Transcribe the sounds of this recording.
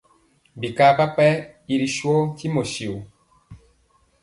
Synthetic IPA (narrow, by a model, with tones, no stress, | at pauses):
bi˨ka˦ka˦pɛ˦i˨ɾi˨ʃwɔ˦ti˦mo˨ʃi˨u˨